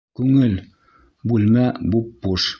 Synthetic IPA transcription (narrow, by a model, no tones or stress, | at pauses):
kʉŋɘl | bʉlmæbupːuʃ